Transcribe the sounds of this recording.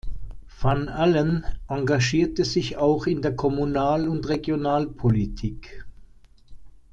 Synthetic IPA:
fɔnalənʔaŋɡaʒiːɐtəzɪçaʊxɪndeːɐkʰɔmunaːlʊntʁeɡjonaːlpʰolitʰiːk

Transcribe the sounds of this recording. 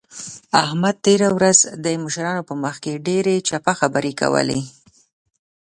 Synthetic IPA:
ahmad̪̚t̪eɾawɾazd̪əmʊʃɾɑnopəməxkeɖeɾet͡ʃapaxabəɾeka̰wə̰lḛ

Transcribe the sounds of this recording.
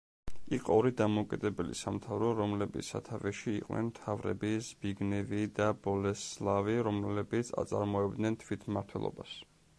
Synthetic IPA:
iqʼɔɔɾid̪amɔkʼid̪ɛbɛlḭsamt̪ʰavɾɔɾɔmlɛbit̪ssa̰t̪ʰavɛʃiːqʼwnʔɛ̰nmt̪ʰavɾɛ̰bizbiɡnɛvid̪abɔlɛslˠaviɾɔmlɛbit̪sʰa̰t̪sʼa̰ɾmɔɛbd̪nɛnt̪ʰvit̪ʰmaɾt̪ʰwɛ̰lˠɔ̰ba̰s

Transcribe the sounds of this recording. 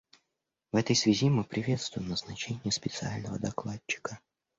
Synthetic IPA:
vɛt̪əjsvʲɪzʲimɨpɾʲɪvʲe̞t̪st̪vʊjɪmnəznɐt͡ɕenʲɪjəspʲɪt̪sɨalʲnəvəd̪ɐklˠatːɪ̥kə

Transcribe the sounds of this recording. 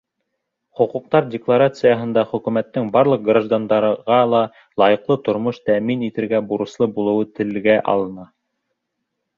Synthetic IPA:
χŏquq̚t̪ɑɾdʲɪklˠaɾat̪sɨjɑɦɤ̆nd̪ɑχɵ̆kʉmæt̪ːɘŋbɑɾlˠɤq̚ɡraʒd̪and̪ɑɾʁɑlˠɑ | lˠɑjɤ̆qlˠɤt̪ŏɾmoʃt̪æminit̪ɘ̆ɾɡæbuɾɤ̆slˠɤbulˠɤ̆wɤt̪ɘ̆lɡæʔɑ̰lˠɤ̆nɑ

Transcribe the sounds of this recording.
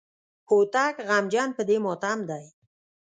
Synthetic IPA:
hot̪akɣamd͡ʒɑnpəd̪emɔt̪amd̪aj

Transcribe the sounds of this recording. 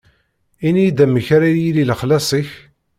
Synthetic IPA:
inijd̪æməçɾajililəχlæsˤiç

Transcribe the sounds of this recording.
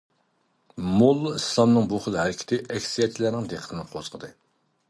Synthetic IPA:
molˠːuislˠɑmnɨŋbuχəlˠhæɾɪkʲʰi̥t̪ʰɪʔɛkʲsijɛt͡ʃʰilæɾnɪŋd̪eqʰət̪ʰɪnɪqʰozqʰəd̪ɨ

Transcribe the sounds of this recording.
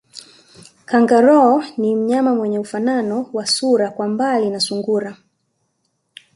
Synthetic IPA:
kaŋɡaɾɔːnim̩ɲamamwɛɲɛufananɔwasuɾakwambalinasuŋɡuɾa

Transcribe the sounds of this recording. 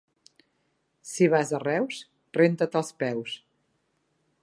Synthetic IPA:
siβazərɛws | rent̪ət̪əlˠspɛws

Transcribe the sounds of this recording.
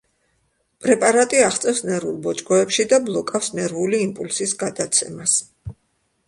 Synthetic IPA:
pʼɾɛpʼaɾat̪ʼiaχt̪sʼɛfsnɛɾvulˠbɔt͡ʃʼkʼɔɛpʃid̪ablˠɔkʼafsnɛɾvuliːmpʼulsisɡad̪at̪sʰɛmas

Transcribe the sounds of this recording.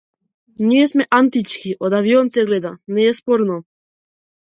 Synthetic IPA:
ɲiesmɛʔant̪it͡ʃkiʔod̪avionsɛɡlɛd̪anɛjɛspoɾno

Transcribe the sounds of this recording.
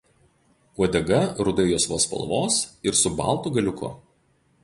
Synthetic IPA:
uɔd̪ʲɛɡɐɾʊd̪ɐɪjoːsʋoːspɐ̰lˠʋoːsɪɾsʊbɑ̰ˑlˠˑt̪uːˑɡɐlʲʊkʰʊ̰

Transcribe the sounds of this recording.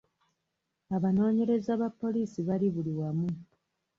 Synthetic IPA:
aβano̞ːɲe̞ɾe̞zaːβapːo̞liːsiβaliβuliwamu

